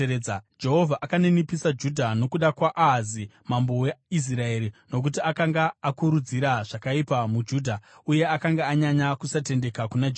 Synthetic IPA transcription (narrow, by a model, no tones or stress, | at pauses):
ed͡ʒe̞ɦo̞vʱaʔakanenipisad͡ʒudʱano̞kuɗakwaʔaɦazimambo̞weis̬rae̞ːɾino̞k̬utiakaŋɡaːkuɾud͡ziɾaʐ̥akaipamud͡ʒuːdʱauje̞akaŋɡaːɲaɲakusate̞nde̞kakunad͡ʒ